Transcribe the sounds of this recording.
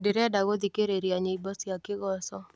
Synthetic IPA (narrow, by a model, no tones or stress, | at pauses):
deɾɛdaɡɔd̪ikeɾeɾiaɲeibasiakɪɡɔsɔ